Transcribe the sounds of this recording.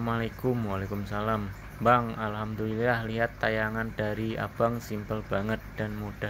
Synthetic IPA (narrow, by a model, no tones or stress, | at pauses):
malekʊmwalekumsalam | baŋalhamd̪ulilahliɦat̪ːajaŋandaɾia̰b̥aŋsimpəlb̥aŋət̪̚d̥anmud̥a